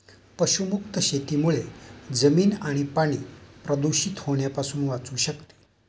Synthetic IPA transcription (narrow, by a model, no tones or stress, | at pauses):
pəɕumukt̪əɕet̪iːmuɭed͡zəmiːnaɽ̃ipaɽ̃iːpɾəd̪uɕit̪hoɳjapasuːnʋat͡suːɕəkt̪i̥ː